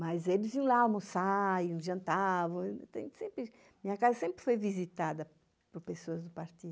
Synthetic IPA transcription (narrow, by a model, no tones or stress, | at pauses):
mɐzelɪzvĩõlamõsajũʒɐ̃nt̪avɐ̃w̃t̪ḛ̃sẽmpɾɪ | mĩɲɐkazɐsẽmpɾɪfojvizit̪ad̪ɐ | poɾpesoɐzd̪ʊpaɾt̪i